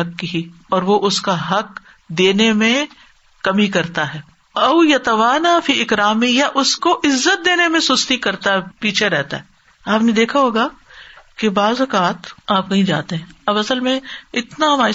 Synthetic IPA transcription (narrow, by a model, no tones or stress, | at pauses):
ɐkːiɦiɔːɾʋoʔʊskaɦɐk | d̪eːnemẽ | kɐmikɐɾt̪aɦɛː | ɐʊjɐt̪ɐʋaːnaːfiːʔɪkɾaːmɪjaʔʊskoʔɪzːət̪̚d̪eːnemẽsʊst̪ikɐɾt̪aɦɛpiːt͡ʃʰeɾɛɦt̪a̰ɦɛ | aːpned̪eːkʰaɦoːɡaːkebaːzɐkaːt̪aːp̚kɐɦĩd͡ʒaːt̪eɦɛ̃ːɐbɐsəlmẽɪt̪naɦɐmaː